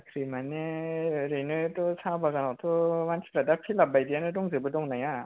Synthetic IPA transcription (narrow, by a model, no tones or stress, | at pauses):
kʰɾimaneɾenɯtɔsʰabaɡanɔwtʰɔmansʰiɾadapʰilabajdianɯdɔŋzɯbɯdɔŋnaja